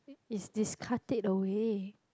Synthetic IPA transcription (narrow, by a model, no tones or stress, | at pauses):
isdiskʰatik̚dəwe